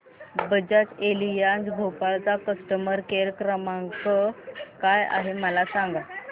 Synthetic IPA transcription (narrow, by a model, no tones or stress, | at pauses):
bəd͡ʑat͡selijand͡zɡʱopalt͡sakəsʈəməɾkeɾkɾəmaŋkəkaja̰ɦeməlasaŋɡa